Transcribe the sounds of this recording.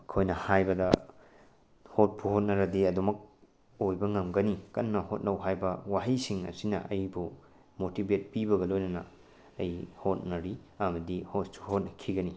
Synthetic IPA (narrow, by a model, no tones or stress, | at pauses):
ɐkʰojnɐhajbɐdɐ | hot̚pʰuhot̚nɐɾɐdiɐdumɐk̚ | ojbɐŋɐmɡɐnikɐnːɐhot̚nɐwɦajbɐwaɦɐjsiŋɐ̰sinɐ̰ʔɐjbu | motibet̚pibɐɡɐlojnɐnɐ̰ | ɐjhot̚nɐɾiɐmɐdihot̚suhot̚nɐkʰiɡɐni